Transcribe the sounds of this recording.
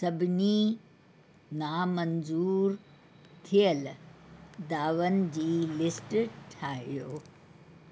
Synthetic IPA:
sɐbʱniː | naːmɐnzuːɾ | t̪ʰijɐl | d̪aːʋɐnd͡ʑiːlɪsʈʈʰaːɦjoː

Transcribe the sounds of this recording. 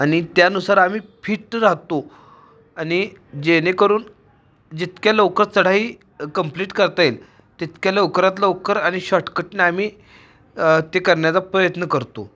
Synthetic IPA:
aɽ̃it̪janusaɾam̤iːfʰiːʈɾaɦt̪o | aɽid͡ʑenekəɾuːn | d͡ʑit̪kjaləwkəɾsəɽ̤aɦiː | kəmpliːʈkəɾt̪ael | t̪it̪kjaləwkɾat̪ləwkəɾaɽ̃iɕɔʈkəʈneam̤iː | t̪ekəɾɳjat͡sapɾəjət̪nəkəɾt̪o̰

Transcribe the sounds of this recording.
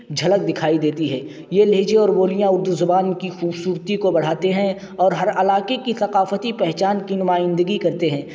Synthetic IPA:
d͡ʒʱɐlək̚d̪ɪkʰaːid̪eːt̪iɦɛː | jeleːd͡ʒeɔːɾboːlijãʊɾd̪ʊzʊbaːnkixuːbsuːɾt̪ikobɐɽ̤aːt̪eɦɛ̃ | ɔːɾɦɐɾɐlaːkekisɐqaːfət̪ipɛɦt͡ʃaːnkinʊmaːjɪ̃nd̪əɡikɐɾt̪eɦɛ̃ː

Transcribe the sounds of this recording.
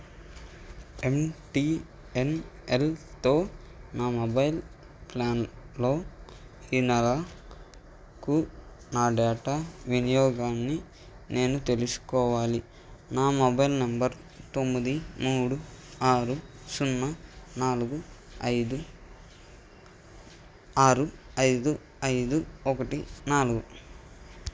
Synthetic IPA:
e̞mʈi | enelt̪o̞ː | naːmobɐjil | plaːnlo̞ː | hinɐɾa | ku | naːɖaːʈaʋinijɔːɡaːnːi | ne̞ːnut̪e̞lusu̥kɔːʋaːli | naːmɔbɐjlnɐmbɐɾ | t̪o̞mːid̪imuːɽuaːɾu | sunːɐnaːluɡu | ɐjd̪u | aːɾu | ɐjd̪u | ɐjd̪uɔkɐʈinaːluɡu

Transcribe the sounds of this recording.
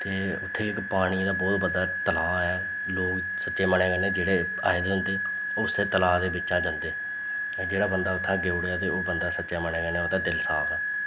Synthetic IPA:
t̪eː | ʊ̰t̪ʰːeːɪkpaːɽ̃iːd̪aːbɔːt̪bəd̪aːt̪əlaːɛː | loːk | sətːʃeːməɳeːɡəneːd͡ʒeːɽeː | a̰ːɪd̪eːʊ̃nd̪eː | ʊsd̪eːt̪əlaːd̪eːbɪt͡ʃːt͡ʃãːd͡ʒənd̪eː | d͡ʒeːɽaːbənd̪aːʊt̪ʰːãːɡeːɽaːt̪eːoːbənd̪aːsətːʃaːməɳẽːɡəɾnaːʊt̪ʰãːd̪ɪlsa̰ːbaː

